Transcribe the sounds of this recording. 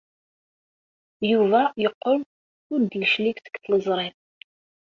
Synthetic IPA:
juvæjəqːon | ʊɾd̪jʃlikθə̥kθləzˤɾˤɪm

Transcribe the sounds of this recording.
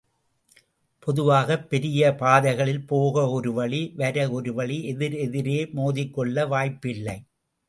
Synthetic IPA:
pɔðɯʋaːɣɐpːɛɾɪjɐpaːðɐɪɣɐɭɪlpoːɣɐɔɾɯʋɐɭiʋɐɾɐɔɾɯʋɐɭiɛðɪɾɛðɪɾeːmoːðɪkːɔɭːɐʋaːjpːɪlːɐɪ

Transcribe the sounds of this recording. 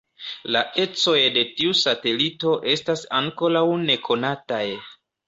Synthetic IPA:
laʔe̞t͡so̞jde̞tiusate̞lito̞ʔe̞stasaŋko̞ɾawne̞kʰo̞nataj

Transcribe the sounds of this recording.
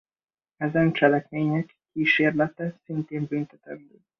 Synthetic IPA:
ɛzɛnt͡ʃɛlɛkmeːɲɛkːiːʃeːrlɛt̪ɛsint̪eːmbynt̪ɛt̪ɛmbøː

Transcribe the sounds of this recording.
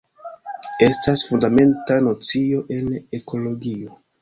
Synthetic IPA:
e̞stasfundame̞ntano̞t͡sio̞ʔe̞ne̞kʰo̞lo̞ɡio̞

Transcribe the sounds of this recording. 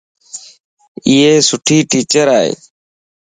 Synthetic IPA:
iːeːsʊʈʰiːʈiːt͡ʃəɾaːɦḛː

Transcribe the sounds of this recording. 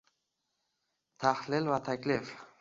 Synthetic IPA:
t̪ʰahlɪlvat̪ʰakʲlɪf

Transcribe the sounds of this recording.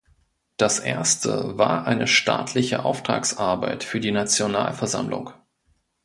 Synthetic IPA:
d̥asʔḛːɐstʰə̰vaːɐʔaɪnəʃta̰ːtʰlɪçə̰ʔa̰ʊftʁ̥a̰ːksʔaɐbaɪtfyːɐdiːnat͡sjonaːlfɛɐza̰mlʊ̰ŋ

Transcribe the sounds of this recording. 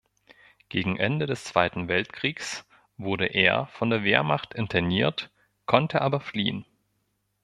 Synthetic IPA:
ɡ̥eːɡŋ̩ʔɛ̰ndədɛst͡sv̥aɪtn̩vɛltkʁ̥iːks | vʊɐɾəʔḛːɐfɔndeːɐveːɐmaχtɪntʰɐniːɐt | kʰɔntʰəʔaːbɐflḭːən

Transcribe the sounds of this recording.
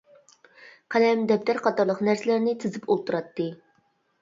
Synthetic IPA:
qʰɛlɛmd̪ɛp̚t̪æɾqʰɑt̪ɑɾlˠəqnæɾsɪlæɾnɪt̪ʰɪzɪpʰolˠt̪uɾɑt̪ːɨ

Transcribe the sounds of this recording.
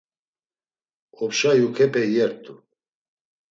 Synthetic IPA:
ɔpʃajukʰɛpʰɛjɛɾt̪ʼu

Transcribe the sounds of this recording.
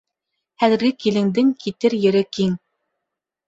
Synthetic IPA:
hæðɘ̆ɾɡɘkilɘ̆ŋd̪ɘŋkʰit̪ɘɾjɘ̆ɾɘkiŋ

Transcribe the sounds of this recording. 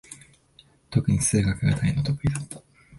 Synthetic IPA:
t̪o̞kɯ̟ɲ̟isɨːɡakɯ̟ɡat̪ʰainːot̪okɯ̟ɾʲid̪a

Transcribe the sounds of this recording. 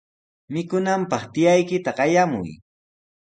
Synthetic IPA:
mɪkʊnampɑχt̪ɪjajkɪt̪aɢɑjamʊ̰j

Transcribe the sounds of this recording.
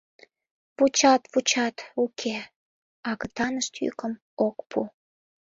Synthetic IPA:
vut͡ɕɑt̪vut͡ɕɑt̪ukʰe | ɑɣət̪ɑnəʃt̪jy̰kəm | okpʰu

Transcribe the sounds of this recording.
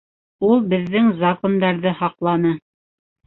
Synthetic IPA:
ulˠbɘ̆ðːɘŋzakond̪ɑɾðɤhɑqlˠɑnɤ

